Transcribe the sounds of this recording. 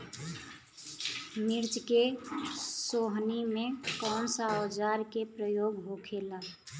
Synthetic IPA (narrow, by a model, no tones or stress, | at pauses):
miɾd͡ʒke | soɦnimẽkɔːnsəɔd͡ʒaɾkepɾəjoːɡɦokʰela